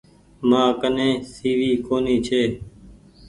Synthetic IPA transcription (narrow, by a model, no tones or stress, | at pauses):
mãːkənẽːsiːʋiːkoːniːt͡ʃʰeː